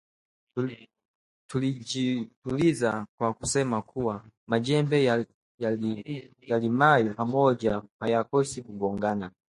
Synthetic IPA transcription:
tulid͡ʒitulizakwakusɛmakʰuwamad͡ʒɛmbɛ | ja | jalimajɔpamɔd͡ʒapajakɔsikuɡɔŋɡana

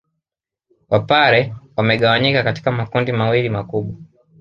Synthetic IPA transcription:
wapaɾɛwamɛɠawaɲikakati̥kamakundimawilimakuɓwa

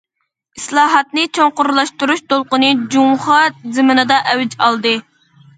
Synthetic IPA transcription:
islˠɑːɦɑt̪̚nɨt͡ʃʰoŋqʊɾlˠɑʃt̪uɾuʃt̪ʰolˠqʊnɨd͡ʒumχɑzɨmɨnɨd̪ɑʔɛwd͡ʒɑlˠd̪ɨ

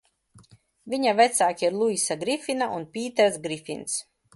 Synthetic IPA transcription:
vʲiɲavɛt̪saːkʲiiɾlˠuisaɡɾifʲinaʔunpʲiːt̪ɛɾsɡɾifḭns

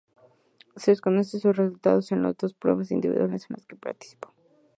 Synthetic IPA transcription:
seðesko̞no̞sesusresult̪a̰ð̞osenlo̰zd̪ospɾwe̞̰βas̬ḭnd̪ḭβḭðwalesenla̰ske̞pa̰ɾt̪i̥si̥po̞

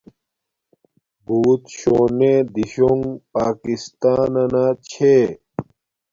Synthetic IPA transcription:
buːt̪ɕoːneːd̪iɕoŋɡpaːkist̪aːnɐnaːt͡ɕʰe

